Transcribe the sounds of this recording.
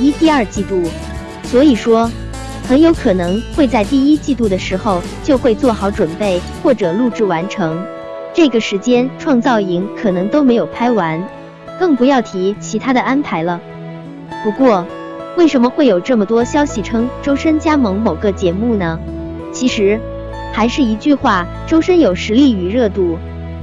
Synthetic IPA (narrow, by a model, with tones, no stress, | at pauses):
i˥t̪i˥˧ə˞˥˧t͡ɕi˥˧t̪u˥˩ | swɔ˧˥i˨˩ʂwɔ˥ | xə˧˥njo˧˥ʊkʰɤ˨˩nɤ˧˥ŋxwe˥˧ɪt͡sa˥˧ɪt̪i˥˩i˥t͡ɕi˥˧t̪u˥˩d̪ə˩ʂɻ̩˧˥xo˥˧ʊ | t͡ɕjo˥˧ʊxwe˥˧ɪt͡swɔ˥˩xɑ˨˧˥ʊʈ͡ʂwə˨˩npe˥˩ɪ | xwɔ˥˩ʈ͡ʂɤ˨˩lu˥˧ʈ͡ʂɻ̩˥˩wa˧˥nʈ͡ʂʰɤ˧˥ŋ | ʈ͡ʂɤ˥˩ɡə˩ʂɻ̩˧˥t͡ɕjɛ˥nʈ͡ʂʰwɑ˥˧ŋt͡sɑ˥˩ʊi˧˥ŋkʰɤ˨˩nɤ˧˥ŋt̪o˥ʊme˧˥ɪjo˨˩ʊpʰa˥ɪwa˧˥n | kɤ˥˩ŋpu˧˥jɑ˥˩ʊt̪ʰi˧˥t͡ɕʰi˧˥t̪ʰa˥d̪ə˨ʔa˥npʰa˧˥ɪlə˧ | pu˧˥kwɔ˥˩ | we˥˩ɪʂə˧˥nmə˧xwe˥˩ɪjo˨˩ʊʈ͡ʂɤ˥˩mə˩t̪wɔ˥ɕjɑ˥ʊɕi˨˩ʈ͡ʂʰɤ˥ŋʈ͡ʂo˥ʊʂə˥nt͡ɕja˥mɤ˧˥ŋmo˨˩ʊɡə˦t͡ɕjɛ˧˥mu˥˩nə˩ | t͡ɕʰi˧˥ʂɻ̩˧˥ | xa˧˥ɪʂɻ̩˥˩i˧˥t͡ɕy˥˧xwa˥˩ | ʈ͡ʂo˥ʊʂə˥njo˨˩ʊʂɻ̩˧˥li˥˩y˨˩ɻɤ˥˧t̪u˥˩